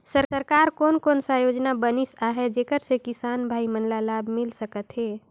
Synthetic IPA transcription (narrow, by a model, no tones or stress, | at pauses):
səɾsəɾkaɾkoːnkoːnsə̃jod͡ʒnabənisaɦɛd͡ʒeːkəɾsekɪsaːnbʱaːimənlalaːbmɪlsəkət̪ɦɛː